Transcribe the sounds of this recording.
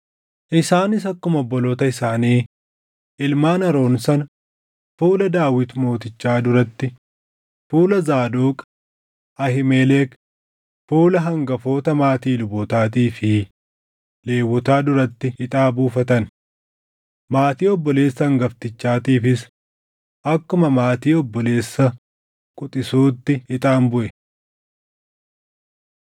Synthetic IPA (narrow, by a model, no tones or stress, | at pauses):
ʔɪsaːnɪsɐkːʊmɔbːɔloːt̪ɐɪsaːniː | ʔɪlmaːnɐɾo̞ːnsɐn | fuːlɐd̪aːwɪt̪mo̞ːt̪ɪt͡ʃːaːd̪ʊɾɐt̪ːɪ | fuːlɐzaːd̪oːkʼ | ʔɐhɪmeːleːk | fuːlɐɦɐŋɡɐfo̞ːt̪ɐmaːt̪iːlʊboːt̪aːt̪iːfɪ | leːwːɔt̪aːd̪ʊɾɐt̪ːɪɪt̪ʼaːbuːfɐt̪ɐn | maːt̪iːɔbːɔle̞ːsːɐɐŋɡɐft̪ɪt͡ʃːaːt̪iːfɪs | ʔɐkːʊmɐmaːt̪iːɔbːɔle̞ːsːɐ | kʼʊt̪ʼɪsuːt̪ːɪɪt̪ʼaːnbʊʔɛ